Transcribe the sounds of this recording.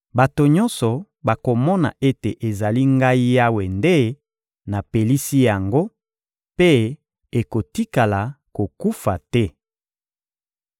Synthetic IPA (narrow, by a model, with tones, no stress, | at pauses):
ba˨to˨ɲɔ̃˦nsɔ˨ | ba˨ko˨mɔ˦na̰˨ʔe˦te˨ʔe˨za˨li˦ŋɡa˦i˦ja˦we˨nde˦ | na˨pe˨li˦si˦ja˨ŋɡo˦ | pe˦ | e˨ko˨ti˦ka˨la˨ | ko˨ku˦fa˨tɛ˦